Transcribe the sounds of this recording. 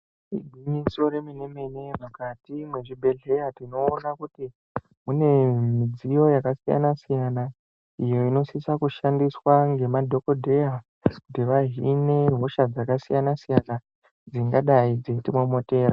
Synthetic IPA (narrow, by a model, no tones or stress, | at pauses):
ḭbʱiɲiso̞ɾemine̞me̞nemakatimwe̞ʐibʱe̞ɮe̞jatino̞ːnakuti | mune̞mid͡zijo̞jakasija̰nasijana | ijo̞ino̞sisakuʃandiswaŋɡe̞madʱo̞ko̞dʱeja | kutiʋaɦine̞ɦo̞ʃad͡zakasijanasijana | d͡ziŋɡaɗaid͡zetimwomote̞ːɾa